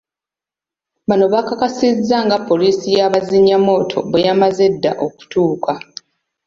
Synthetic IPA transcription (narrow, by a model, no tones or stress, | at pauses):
βano̞βakakasizːaŋɡapːo̞liːsijaβaziɲːamo̞ːtʰo̞̰βejamaze̞dːa̰ʔo̞ku̥tuːkʰa